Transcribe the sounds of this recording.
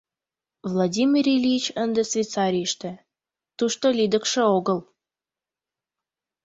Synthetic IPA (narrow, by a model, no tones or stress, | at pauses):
vlˠadʲimʲiɾʲelʲijt͡ɕənd̪ĕsvʲet̪t͡sɑɾʲijəʃt̪ĕ | t̪uʃt̪olʲid̪ə̆kʃĕoɣəl